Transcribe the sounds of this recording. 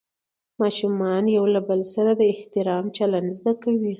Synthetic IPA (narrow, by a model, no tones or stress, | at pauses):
mɑʃumɑnjawlabəlsaɾad̪əɪht̪ɪɾɑmt͡ʃaland̪zd̪akawi